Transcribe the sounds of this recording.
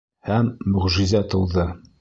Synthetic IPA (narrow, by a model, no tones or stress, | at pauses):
hæmːɵ̆ʁʒizæt̪ɤ̆wðɤ